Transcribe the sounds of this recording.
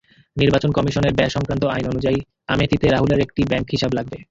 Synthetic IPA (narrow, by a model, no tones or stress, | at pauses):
niɾbat͡ɕonkɔmiʃoneɾbɛʃɔŋkɾant̪oajnonud͡ʑai | amet̪it̪eɾaɦuleɾek̚ʈibɛŋkɦiʃablaɡ̚be